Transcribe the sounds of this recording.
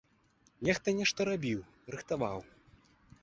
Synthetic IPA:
nʲɛxt̪ɐnʲɛʂt̪ɐɾabʲiw | rɨxt̪ava̰w

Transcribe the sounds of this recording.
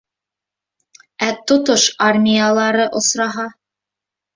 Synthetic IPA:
æt̪ŏt̪oʃarmʲijalˠɑɾɤʔŏsɾɑɦɑ

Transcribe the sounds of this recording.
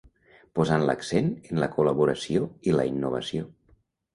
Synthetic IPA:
pozanlə̰ksenenləkuləβuɾəsioilə̰inːuβə̰sio

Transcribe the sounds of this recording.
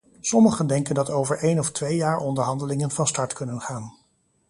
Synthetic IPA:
sɔməχəndɛŋkəndɑtowvəɹʔejnɔftʋejjaːɹɔndəɹɦɑndəlɪŋənvɑnstɑɹtkɵnənχaːn

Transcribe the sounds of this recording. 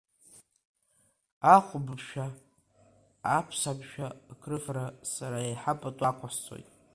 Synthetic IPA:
aχʷʊbɨpʃᶣa | pʰsabʃᶣakʰrɨfrasaɾaeħapʼatʼakʷʰaħt͡sʼo̰jtʼ

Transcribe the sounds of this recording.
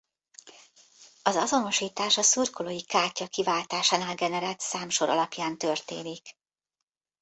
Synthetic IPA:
ɒzɒzo̞no̞ʃiːt̪aːʃɒsurkolojikaːcɒkivaːlt̪aːʃaːnaːlɡɛnɛɾaːt̪saːmʃo̞ɾɒ̰lɒpjaːnt̪ørt̪ḛːnik

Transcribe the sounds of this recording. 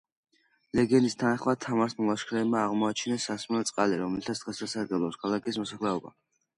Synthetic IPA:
lɛɡɛnist̪ʰanaχmad̪̚t̪ʰamaɾsmɔlˠaʃkʰɾɛːbmaːʁmɔat͡ʃʰinɛsːasmnɛt̪sʼqʼaliɾɔmɛlɛt̪ʰatsd̪ʁɛsasaɾɡɛblˠɔpskʰalˠakismɔsaχlɛɔba̰

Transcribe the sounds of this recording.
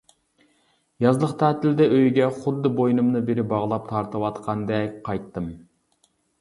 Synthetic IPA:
jɑzlˠəχqt̪ʰæːt̪ʰɪld̪ɛʔøjɡʲɛχʊd̪ːɨbojnɨmnɨbeɾɪbɑʁlˠɑp̚t̪ʰɑɾt̪ʰɨwɑt̪qʰɑnd̪ɛkʲqʰɑjt̪ːɨm

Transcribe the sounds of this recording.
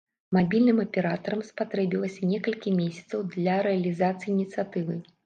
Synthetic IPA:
mabʲilʲnɨmɐpʲɛɾat̪ɐɾɐmspat̪ɾɛbʲilˠɐsʲɐnʲɛkɐlʲkʲimʲesʲɐ̥t̪sɐwd̪lʲɐɾɛɐlʲizat̪sɨjinʲit̪sɨjat̪ɨvɨ

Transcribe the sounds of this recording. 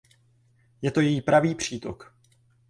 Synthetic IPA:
jɛt̪o̞jɛjiːpɾaviːpr̝̥iːt̪o̰k

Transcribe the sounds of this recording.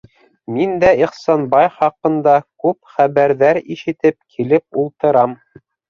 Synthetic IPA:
mind̪æiχsɑnbɑjχɑqɤ̆nd̪ɑkʉpχæβæɾðæɾiʃɘ̆t̪ɘp̚kʰilɘp̚ulˠt̪ɤ̆ɾɑm

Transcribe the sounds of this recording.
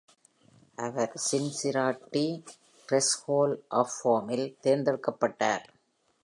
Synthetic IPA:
ʔɐʋɐɾsɪnsɪɾaːʈːi | kɾɛshoːlʔɐfoːmɪlt̪eːɾnd̪ɐɽɯkːɐpːɐʈːa̰ːɾ

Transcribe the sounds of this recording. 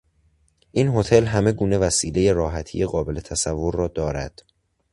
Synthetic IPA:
ʔiːnɦo̞t̪ʰe̞lɦæme̞ɡuːne̞væsiːle̞je̞ɾɒːɦæt̪ʰḭjeɣɒːbe̞le̞t̪ʰæsævːoɾːɒːd̪ɒːɾæd̪̥

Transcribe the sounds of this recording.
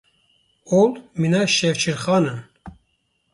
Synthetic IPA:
olminaʃɛvt͡ʃʰiɾχɑːnən

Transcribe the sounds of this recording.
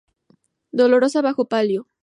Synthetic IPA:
d̪o̞lo̞ɾo̞saβaxo̞paljo

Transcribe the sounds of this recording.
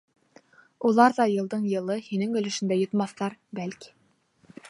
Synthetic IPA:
ulˠɑɾðɑjɤ̆lˠd̪ɤɴjɤ̆lˠɤhinɘŋɵ̆lɵ̆ʃɘ̆nd̪æjŏt̪mɑθːɑɾbælki̥

